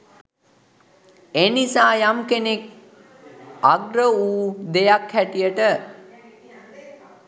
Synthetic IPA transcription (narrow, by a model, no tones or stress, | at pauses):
enisaːjamkenek̚ | aɡɾəuːd̪ejakhæʈijəʈə